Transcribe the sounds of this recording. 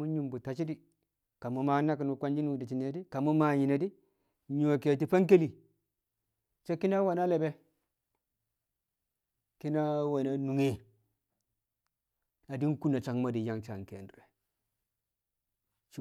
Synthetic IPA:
u˦ɲu˦˨mbu˨ta˨t͡ʃi˦di˨ | ka˨mu˨˦ma˦na˦ki˨nu˨kʷa˦nd͡ʒi˦nu˦˨di˨t͡ʃi˨ne˦di˦ka˨mu˦ma˨ɲi˨na˨di˦ | ɲo˨ke˨ti˦pa˦ŋk̬e˦li˨ | t͡ʃe˦ki˦na˦wa˨na˦le˨be˦ | ki˦na˦wa˨na˨nu˨ŋe˦ | a˨di˦nku˦na˨t͡ʃa˨ŋma˦di˨ja˦ŋt͡ʃa˨ŋkḛ˨ndɾe˨ | t͡ʃ

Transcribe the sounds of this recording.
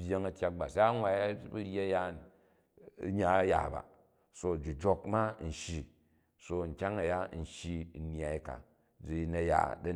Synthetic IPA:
bʲje˦ŋɐ˨tʲja˦k̚ba˨sa˦a˦ŋʷa˨ja˦bu˦ɾʲe˦ja˦n̰˨˦ | ɲa˨˦ja̰˨ba̰˨ | so˦d͡ʒi˨d͡ʒo˧kma˦n̩˨ʃi˨ | so˧˨ŋ̩˨kʲa˦ŋɐ˨ja˦n̩˨ʃi˦˨n˦a˨i˦ka̰˨ | d͡zi˨˦nɐ˨ja̰˨dɐ˦

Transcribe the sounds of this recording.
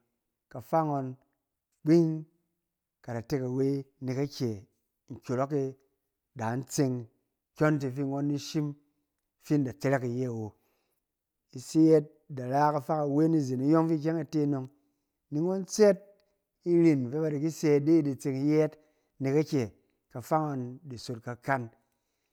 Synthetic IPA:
ka˨fa˦ŋo˧n | k͡pi˦ŋ | ka˨da˨te˦ka˨we˦ni˨ka˦kʲe˨ | ŋ̩˨kʲo˨ɾo˦ke˧ | da˨n̩˦t͡se˧ŋ | kʲo˦nt̬i˧fi˦ŋo˦nːi˦ʃi˦m | fi˦nda˨t͡se˦ɾe˦ki˨je˦a˨wo˨ | i˦se˦e˦t̚da˨ɾa˦ka˨fa˦ka˨we˦ni˦zi˨ni˦jo˦ŋfi˦k̬ʲe˦ŋa˨te˦no˧ŋ | ni˦ŋo˦nt͡se˦t̚ | i˦ɾi˨nfe˦ba˧di˨ki˦se˦˧tdi˦i˦di˨t͡se˧ŋ˦je˦t | ni˨ka˦kʲe˨ | ka˨fa˦ŋa˧ndi˨so˨t̚ka˨ka˦n

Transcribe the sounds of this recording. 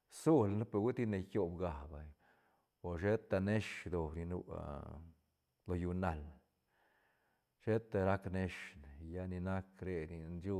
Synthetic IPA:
su˦lno˦pe˧ɡi˦t̪i˦ne˧kʲo˧bɡa˨ba˨ | o˨ʃe˦t̪a˧ne˦ʂd̪o˨ɾi˧nṵ˧ | lo˧ju˧na˨l | ʃe˦t̪a˧ɾa˦kne˧ʂn˨ja˧ni˧na˦kɾe˧ni˧nd͡ʒu˦

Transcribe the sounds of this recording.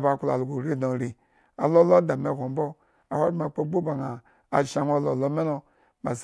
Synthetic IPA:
ba˨kla̰˨lɡu˨ɾi˦do˨ɾi˨ | a˨lo˦lo˦da˨me˨kʷo˨m˦bo˦ | a˨ha˦ma˨k͡po˦bo˦ba˨ŋaː˨ | ʃa˨n˦o˦˨lo˨lo˦me˦no˦ | ma˨s

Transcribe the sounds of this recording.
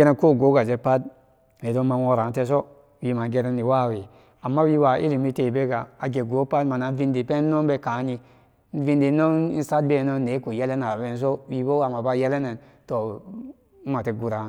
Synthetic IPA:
e˦ɾe˦ko˦˨ɡo˨˦ɡa˨d͡ʒe˦pa˦d̚ | ne˨do˦ma˨wo˦ɾa˨nte˦s̬o˦ | wi˨ma˨ɡe˦ɾe˦nːi˨wa˦˨we˨ | a˨mːa˦wi˦wa˨ʔḭ˦li˨mi˦te˨be˦ɡa˨a˨ɡe˨ɡo˨˦pa˦dma˨na˨˦vi˦ndi˨pe˦no˦m˦be˦ka˨˦ni˧ | n̩˦vi˦ndi˨˦no˦ni˦n̩˦sa˦d̚be˦˨no˦ne˨˦ku˨je˦le˦na˨be˦n˦s̬o˦wi˨bo˦ɡa˨ma˨ba˦je˦le˦ne˨n | to˨˦ | ma˨te˨ɡu˨ɾa˨

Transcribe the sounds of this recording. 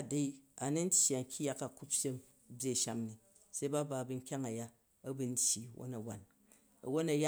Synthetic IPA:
a˨da˦i˦a˨ni˦n̩˦tʲi˨a˨ŋ̩˦kʲi˦ja˦ka˨ku˦ppʲe˦m | bʲje˦˨ʃa˦mni˨ | se˦i˦ba˦ba˨bɨ˧ŋ̩˦kʲa˦ŋa˨ja˦ | ɐ˦bu˦n̩˦tʲji˨wo̰˦na˨wa˨n | ɐ̰˨wo˦na˨ja˦

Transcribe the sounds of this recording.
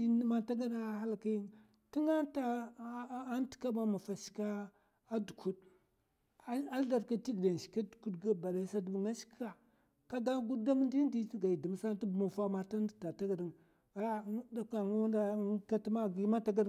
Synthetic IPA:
i˦n˦ma˦ta˦ɡa˦da˦ha˦lka˦ji˦n | ti˦ŋa˦ta˦ | n˦ti̥˦ka˦ma˦ma˨fa˨ʃi̥˨˦kaː˦ | du˨kʰu˦d̚ | a˦da˨ɾka˦ti˦ɡda˨n˨ʃi̥˨ka˦du̥˨ku˦dɡa˦ba˨da˨˦sa˦dbŋa˦ʃi̥˦ka˨ | ka˦ɡa˦ɡu˦da˦m˦ndi˦ndi˦ɡa˨i˨di˨m˨˦sa˦n˦ti˦bmu˨fa˦ma˨ta˦n˦di˨ta˨ta˦ɡa˨di˨ŋ | a˨ja˦da˨ka˨n˦wnda˦ka˦tma˦ɡi˦ma˦ta˦ɡa˦ɾ

